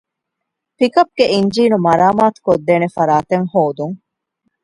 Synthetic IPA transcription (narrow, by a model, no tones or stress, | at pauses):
pikɐp̚ɡeʔiɲd͡ʒiːnumɐɾaːmaːt̪u̥kod̪ːeːnefɐɾaːt̪eŋhoːd̪uŋ